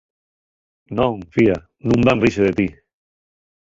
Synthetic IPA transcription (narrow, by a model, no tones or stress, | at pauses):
nõŋfia | nũmbanriʃeðet̪i